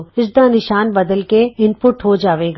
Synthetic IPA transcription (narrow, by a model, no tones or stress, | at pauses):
ɪsd̪anɪʃaːnbɐd̪əlkeɪmpʊʈɦod͡ʒaːʋeːɡ